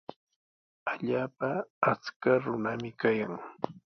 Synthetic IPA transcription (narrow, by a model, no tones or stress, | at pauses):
aʎaːpaːt͡skaɾʊnamɪkajaŋ